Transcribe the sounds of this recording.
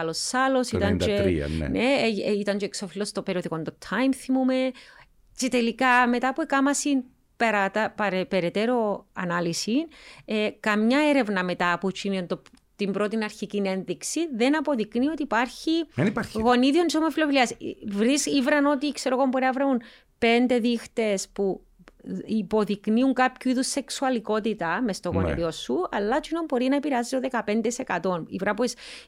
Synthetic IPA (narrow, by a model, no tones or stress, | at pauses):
ɐlosɐlo̞sit̪ɐnd͡ʒḭɐ̰neit̪ɐnd͡ʒoeksofilost̪opeɾioðiko̞nd̪ot̪ʰɐjmθimume̞ | t͡ʃet̪elikɐme̞t̪ɐpuekɐmɐsin | peɾɐt̪ɐpɐɾepeɾet̪e̞ɾo̞ɐnɐlisinekɐmɲɐeɾe̞vnɐme̞t̪ɐput͡ʃinent̪o | t̪imbɾo̞t̪inɐɾçicine̞nðiksiðe̞nɐpo̞ðiknio̞t̪ipɐɾçinpaɾɣo̞niðionisomofiloviliɐsvɾisivɾɐno̞t̪ikse̞ɾoɣombo̞ɾeɐvɾeun | pe̞nd̪e̞ðixt̪e̞spu | ipo̞ðikniuŋkapçuiðusːe̞ksuɐliko̞t̪it̪ɐmest̪oɣonḭðio̞suɐ̰lːɐt͡ʃinombo̞ɾinɐepiɾeɐzisoðekɐpe̞nd̪ese̞kɐt̪o̞nḭvɾɐpuis